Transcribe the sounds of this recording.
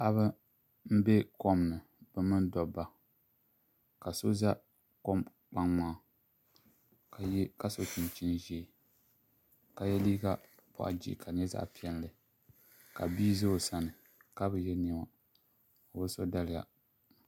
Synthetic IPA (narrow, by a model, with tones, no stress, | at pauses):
ʔa˦βɨ˦ | m̩˦bɛ˦ko˦mːɨ˨ | bɨ˦mɨ˦ndɔ˨bːa˨ | ka˨so˦za˦ | ko˦m | k͡pa˦ŋŋ͡maː˦˨ | ka˨jka˦so˨t͡ʃi˨n˨t͡ʃi˦n˦ʒɛ˦˨ | ka˨jɛ˦liː˦ɡa˦ | pɔ̰˨ʔa̰˨d͡ʒḭ˦˨kʰa˨ɲɛ˦za̰˦ʔpi˨˦ɛ˦n˨lɨ˨ | ka˨biː˦zo˦˨sa˨nɨ˨ | ka˦bɨ˨jɛ˦nɛ˦ma˦ | o˨bɨ˦so˦da˦lɪ˨ja̰˨